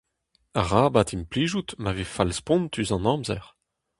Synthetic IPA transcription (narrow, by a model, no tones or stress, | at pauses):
aʁaːbat̪impliːʒut̪mavefalspɔ̃nt̪yzɑ̃nɑ̃mzɛ̰ʁ